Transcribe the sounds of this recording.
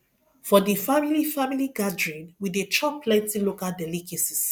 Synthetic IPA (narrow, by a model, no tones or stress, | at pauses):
fɔdifamilifamiliɡadɹĩnwidet͡ʃɔpʰːlɛ̃ntilokaldɛlikesis